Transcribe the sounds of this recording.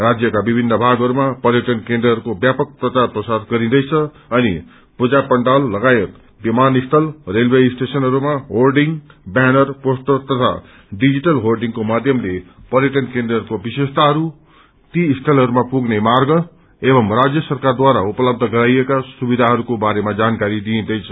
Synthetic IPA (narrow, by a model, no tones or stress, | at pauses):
rad͡zjʌkabibʱinːʌbʱaɡɦʌɾumapʌɾjʌʈʌnkẽnd̪rʌɦːɾukobjapʌk̚prʌt͡sarprʌsad̪ɡʌɾĩd̪ʌjt͡sʰʌ | ʌnḭ | pud͡zapʌɳɖalːʌɡajet̪ | bimanist̪ʰʌlrelbeisʈesʌnɦʌɾumaɦolɖiŋɡbanʌrposʈ̪ʌt̪ʌt̪ʰa̰ | ɖid͡ziʈʌlɦorɖiŋkomad̪ʱjʌmlepʌrjʌʈʌnkẽnd̪rʌɦɾukobisest̪ʰaɦʌɾu | t̪iːst̪ʰʌlɦʌɾumapuɡnemarɡʌ | ebʌmrad͡zjʌsʌrkard̪waɾaupʌlʌb̚d̪ʱʌɡʌɾajekasubid̪ʱaɦʌɾukobaɾemad͡zankaɾid̪ĩd̪ʌjt͡sʰʌ